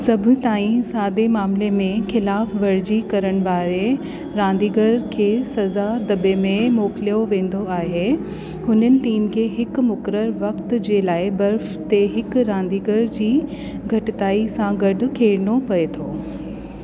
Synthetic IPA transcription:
sɐbʱʊ̆t̪aːĩsaːd̪emaːmlemẽxɪlaːfʋɐɾd͡ʑikɐɾəɽ̃̆baːɾe | ɾãːnd̪iːɡəɾkʰeːsɐzad̪ɐbemẽmoːkɪlijoʋẽːn̆d̪oaːɦe | hʊnənɪ̆ʈiːmkʰeːɦɪkmʊkɾəɾʋɐkt̪d͡ʑeːlaːɪbɐɾf | t̪eɦɪkɾãːn̆d̪iːɡəɾd͡ʑiː | ɡʱɐʈɪt̪aːisãɡɐɖʊ̆kʰeːɾɪɳopɐet̪ʰoː

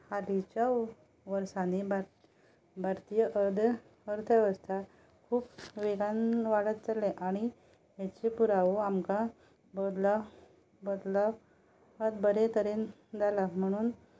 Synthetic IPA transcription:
haɾit͡ɕa | ʋəɾsaneba | bʱaɾt̪ijəʔəɾd̪ | əɾt̪ʰəʋəst̪ʰa | kʰuːpʋeɡanʋaɽət̪t͡səleʔaɽ̃i | ɦat͡ɕepuɾaʋoamka | bəd̪la | bəd̪la | əd̪bəɾet̪əɾen | d͡zalam̤əɽ̃uːn

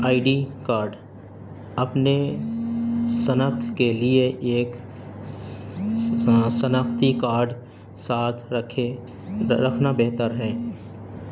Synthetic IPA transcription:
aːiɖikaːɾɖ | ɐpne | sənəxt̪ʰkelieʔeːk | sənəxt̪ikaːɾɖ | saːt̪ʰ | ɾɐkʰnabɛɦt̪əɾɦɛː

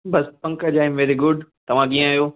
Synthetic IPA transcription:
bɐspɐ̃ŋkəd͡ʒaːɪ̃mʋɛːɾiɡʊɖt̪ɐʋ̤ãɡĩːãjoː

